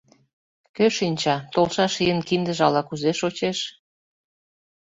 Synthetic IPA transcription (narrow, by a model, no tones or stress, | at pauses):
køʃinʲt͡ɕɑt̪olʃɑʃijənkind̪ə̆ʒɑlɑkuzeʃot͡ɕeʃ